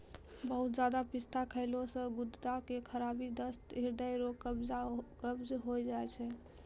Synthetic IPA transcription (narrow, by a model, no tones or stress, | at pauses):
bəɦut̪̚d͡ʒad̪apist̪ʰakʰəɪlosə̃ɡud̪t̪akekʰəɾabid̪əst̪ɦiɾd̪əjɾoəbakəbd͡ʒɦojd͡ʒaɛt͡ʃʰɛ